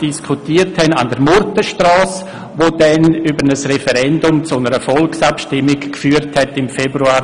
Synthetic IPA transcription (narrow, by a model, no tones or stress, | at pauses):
d̥iskʰutiːəɾthɛna̰ndəɾmʊɾtəʃtrɑːs | ʋodɛnybəɾnəsrɛfɛɾɛndʊmt͡sʊnəɾəfɔlksapʃtɪmɪkkfyːəɾthɛtɪmfebɾuaː